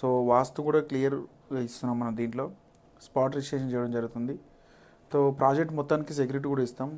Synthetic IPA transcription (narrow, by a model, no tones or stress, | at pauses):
soːʋaːst̪ukuːɽaːklijɐɾ | ɡaist̪unːaːmːɐnɐmd̪iːɳʈlo̞ː | spaːɾʈɾit͡ʃeːʃɐnt͡ʃɛːjɐɽɐmd͡ʒɐɾuɡut̪und̪i | soːpɾaːd͡ʒek̚ʈmɔt̪ːaːnikis̬ek̬juɾiʈ̬iːkuːɽaist̪aːm